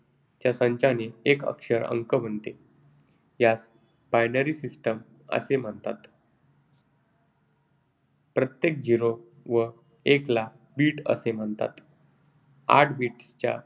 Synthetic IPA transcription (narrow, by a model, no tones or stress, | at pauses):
t͡ɕjasə̃ɲt͡ɕaneekə̰kʂəɾə̰ŋkəm̤əɳt̪e | jas | bajnəɾiːsisʈəm | ə̰sem̤əɳt̪a̰t̪ | pɾət̪jek̚d͡ʑiɾo | ʋə | ekla | biːʈə̰sem̤əɳt̪a̰t̪ | a̰ʈʰbiʈst͡ɕa̰